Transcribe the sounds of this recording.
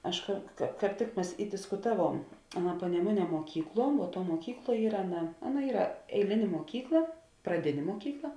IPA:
ˈɐʃ kɐ kɐ kɑːp ˈtʲɪk ˈmʲɛs ɪ dʲɪskʊˈtɑːˌʋuɔm ˈɑːˌnɐ pɐnʲɛˈmʊˌnʲiɛ muɔˈkʲiːkˌlˠuɔ ʋuɔ ˈtuɔ muɔˈkʲiːkˌlˠuɔ ˈiːrɐ ˈɑːˌnɐ ˈɑːˌnɐ ˈiːrɐ ɛɪˈlʲɪnʲeː muɔˈkʲiːklˠɐ prɐˈdʲɪnʲeː muɔˈkʲiːklˠɐ

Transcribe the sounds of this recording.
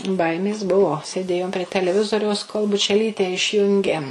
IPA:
ˈbɐɪmʲeːs ˈbuɔ sʲeːˈdʲeːjoːm pʲrʲiɛ tʲɛlʲɛˈʋʲɪzoːrʲɛʊs koːlˠ bʊt͡ʃʲɛˈlʲiːtʲɛ ɪʃʲˈjʊŋʲɡʲeː

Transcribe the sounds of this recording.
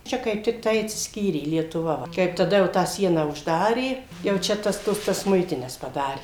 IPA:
ˈt͡ʃʲɛ kɐɪp tʲɪkˈtɐɪ ɐtʲsʲɪsʲˈkʲiːrʲeː lʲiɛtʊˈʋɐ ˈʋɐ ˈkɐɪp tɐˈdɐ jɛʊ ˈtɑː ˈsʲiɛnɑː ʊʒˈdɑːrʲeː jɛʊ ˈt͡ʃʲɛ ˈtɐs ˈtuɔs tɐs ˈmʊɪtʲɪnʲɛs pɐˈdɑːrʲeː

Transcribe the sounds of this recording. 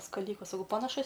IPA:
skɐˈlʲɪkɐs sɐˈkɐʊ pɐnɐˈʃʊs

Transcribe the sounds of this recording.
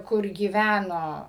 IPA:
kʊr ɡʲiːˈʋʲænoː

